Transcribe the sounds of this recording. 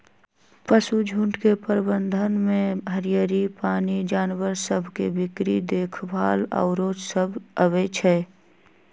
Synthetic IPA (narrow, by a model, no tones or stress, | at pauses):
pəsud͡ʒʱũɳʈkepəɾbə̃nd̪ʱənmẽɦəɾijəɾipaːnid͡ʒaːnwəɾsəbʱkebɪkɾid̪eːkʰbʱaːlə̰ːɾoːt͡ʃsəbʱəʋet͡ʃʰɛː